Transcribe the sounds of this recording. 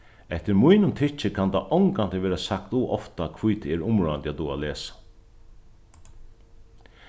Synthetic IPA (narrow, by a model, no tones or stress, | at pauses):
ɛht̪ɪɾmʊjnʊmt̪ʰɪt͡ʃɪkʰant̪aʔɔŋkant̪ɪʋɛːɾasakt̪uʔɔ̰ft̪akʰvujt̪ʰɛɾʊmɹɔjant̪at̪ːua̰leːsḁ